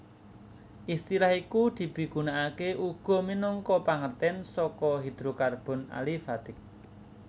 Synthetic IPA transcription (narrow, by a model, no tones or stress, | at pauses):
ʔist̪ilahikud̪̥i̤b̥i̤ɡ̥ṳnaʔakeʔuɡ̥ɔ̤minɔŋkɔpaŋərt̪ɛnsɔkɔɦid̪̥ɾokarb̥ɔ̤na̰lifat̪ɪk̚